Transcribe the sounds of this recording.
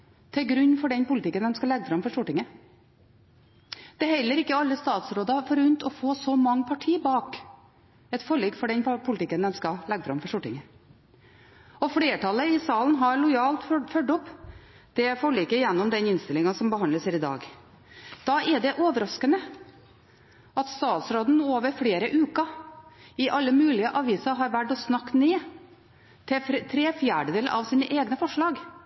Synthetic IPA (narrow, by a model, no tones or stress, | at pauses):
t̪ʰɛlɡɾʉnːfɔɖɛnpʊlɪt̪ɪkːənd̪ɛmskɑlɛɡːfɾɑmfɔʂʈʊʈːɪŋə | d̪̥ɛɦɛlːəɾɪkːəɑlːəst̪ɑːt̪sɾoːd̪ɑfɔɾʉnt̪ɔfoːsɔmɑŋːəpʰɑʈʰiːbɑːk | ɛt̪fɔɭiːkfɔɖɛnpʰʊlt̪ɪkːənd̪ɛmskɑlɛɡfɾɑ̰mfɔʂʈʊʈːɪŋə | ɔfɽeːʈʰɑləɪsɑːlnɦɑɾɭʊjɑːlt̪fœɖʊpː | d̪̥ɛfɔɭiːkəjɛnːɔmd̪ɛnɪnst̪ɪlɪŋɑsɔmbəɦɑnd̪ləsæɾɪd̪ɑ̰ːɡ | d̪̥ɑːɛɖɛʔoːʋəɾɑskənə | ɑt̪st̪ɑːt̪sɾoːd̪n̩oːʋəɾfɽeːɾəʔʉːkɑ | ɪʔɑlːəmʉːlɪəʔɑʋiːsɑɾɦɑɾʋæʈːɔsnɑkːneː | t̪ʰɪt̪ʰɾeːfjæːɖəd̪eːləʔɑʋsiːnəʔeːɡnəfɔʂɭɑːɡ